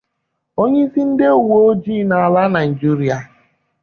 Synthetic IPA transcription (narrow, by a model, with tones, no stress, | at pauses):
o˦ɲe˦i˦si˦n̩˦de˦u˨wo˦d͡ʒi˦na˨a˨la˦na˨i˨d͡ʒi˦ɾi˦a˨